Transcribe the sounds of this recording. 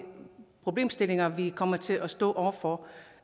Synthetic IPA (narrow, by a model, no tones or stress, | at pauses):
pʰʁo̝b̥le̝̰ːmsd̥e̝le̝ŋɐʋikʰɒ̽m̰ɐt͡sʰe̝lʔɒsd̥ɔ̰̽ːʔɒʊ̰ɐfɒ